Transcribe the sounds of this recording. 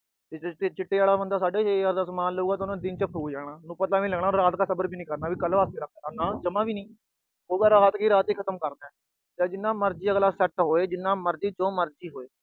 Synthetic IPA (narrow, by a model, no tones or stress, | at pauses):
t̪eːet͡ʃɪʈːeːaːlaːbənd̪aːsaːɖeːeəɾd̪asəmaːnloːɡaːt̪ːnãːd̪ɪnt͡ʃəpʰɾuːd͡ʒaːɳaːnũːpət̪laːʋĩːlɛːɡɽ̃aːɾaːt̪kaːsəbəɾbiːnĩːkəɾnaːbiːkəlʋaːst̪eːɾək̚ʰdaːnãːd͡ʒəmãːʋiːnĩː | oːɡaːɾaːaːt̪kiːɾaːt̪iːkʰət̪əmkəɾd̪aːɛ | d͡ʒaːd͡ʒɪnːãːməɾd͡ʒiːaːɡlaːsɛʈɦoːeːd͡ʒɪnːãːməɾd͡ʒiːt͡ʃõːməɾd͡ʒiːɦoːeː